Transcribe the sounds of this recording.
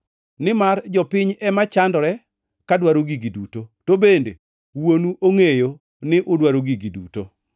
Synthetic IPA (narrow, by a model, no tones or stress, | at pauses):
nɪmard͡ʒɔpɪɲɛmat͡ʃandɔɾɛ | kadwaɾoɡiɡidutotobendḛ | wonuʔoŋejo | nɪʔʊdwaɾoɡiɡidṵto